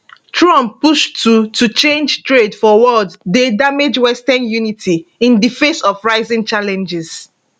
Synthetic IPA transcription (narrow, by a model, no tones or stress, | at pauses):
tʰɹɔ̃mppːuʃtutut͡ʃẽnd͡ʒtɹedfɔwɔdːedamed͡ʒwɛstɛnjunitʰiĩndifẽsɔfɹaɪzĩŋt͡ʃalɛ̃nd͡ʒɛz̥